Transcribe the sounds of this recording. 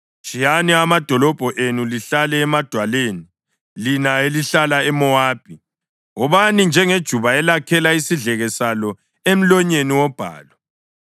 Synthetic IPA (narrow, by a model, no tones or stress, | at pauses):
t͡ʃʼijanɛamad̥ʱɔlɔb̥ʱɔʔenuliɬalɛːmad̥ʱwaleːni | linaeliɬalaɛmɔaːb̥̚ʱi | ɔβanind͡ʒʱɛŋed̥ʒ̥ʱuβaɛlakʰɛlaisiɮɛɣɛsalɔ | em̩lɔɲeniwɔb̥ʱa̰ːlɔ